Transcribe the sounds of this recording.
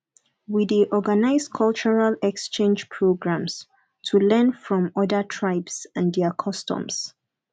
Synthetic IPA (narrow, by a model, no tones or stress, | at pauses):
widiʔɔɡanaɪzkʰɔlˠt͡ʃəɹalɛkst͡ʃẽnd͡ʒpʰɹoɡɹãms | tʰulɛ̃nfɹɔ̃mɔdətʰɹaɪbsãndɛkʰɔstɔ̰̃ms